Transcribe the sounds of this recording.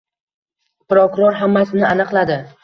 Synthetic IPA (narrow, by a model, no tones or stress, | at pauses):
pɾokʊɾɒɾɦamːasɪnɪanɨqlˠad̪ɪ